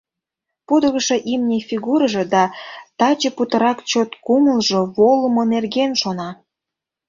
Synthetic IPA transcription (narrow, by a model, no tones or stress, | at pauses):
pud̪əɣəʃeʔimnʲefʲiɣuɾəʒed̪ɑt̪ɑt͡ɕəput̪əɾɑkt͡ɕot̪kuməlʒoβoləmonerɣenʃonɑ